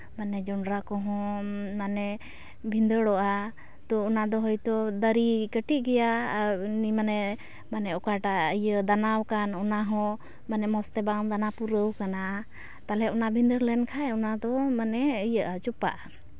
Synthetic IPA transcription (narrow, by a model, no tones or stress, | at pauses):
manɛd͡ʒɔɳɖɾakɔɦɔ̃manɛ | bʱind̪əɽɔʔa | t̪ɔːnad̪ɔɦɔjt̪ɔd̪əɾikəʈiʔ̚ɡɛjanimanɛ | manɛɔkaʈaəjəd̪anawkanɔnaɦɔ̃ | manɛmɔst̪ɛbaŋd̪anapuɾəwkana | t̪alɛɔnabʱind̪əɾlɛnkʰaɛɔnad̪ɔmanɛəjəʔat͡ʃupa̰ʔa